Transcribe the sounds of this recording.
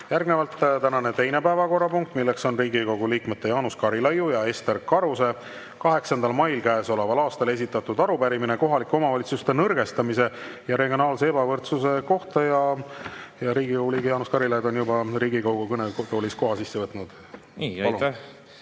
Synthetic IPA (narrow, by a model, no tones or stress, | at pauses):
jærɡne̞vɑlt̪t̪ænɑne̞t̪e̞jne̞pæevɑko̞rːɑpuŋk̚t̪ˑmilːe̞kso̞nriːɡiko̞ɡ̥uliːkmet̪ːe̞jɑːnuskɑɾilɑjujɑe̞st̪e̞rkɑɾuse̞ | kɑɦe̞ksɑnd̪̥ɑlmɑjlkæeso̞levɑlɑːst̪ɑle̞s̬ʲit̪ːˑɑt̪ːˑud̪ɑɾupæɾimineko̞ɦɑlikːo̞mɑvɑlit̪sust̪e̞nɤrɡ̥e̞st̪ɑmise̞ | jɑɾe̞ɡjo̞nɑːlseebɑvɤrt̪suse̞ko̞ht̪ɑjɑ | jɑɾiːɡikoɡuliːɡijɑːnuskɑɾilɑjd̪o̞njubɑɾiːɡikɑwɡ̥ukɤnet̪oːlʲisko̞ɦɑsisːe̞vɤt̪ːˑnud̪̥ | ɑlun